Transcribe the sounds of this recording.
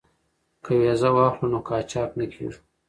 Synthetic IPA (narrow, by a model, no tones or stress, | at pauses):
kʰəwezawɑxlunokɑːt͡ʃɑːknəkʰḛʐu̥